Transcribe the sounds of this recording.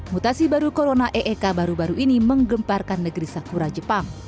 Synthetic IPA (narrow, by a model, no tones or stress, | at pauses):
mut̪asibaɾukoɾonaʔeʔekabaɾubaɾuʔiniməŋɡəmparkanːəɡəɾisakuɾad͡ʒəpaŋ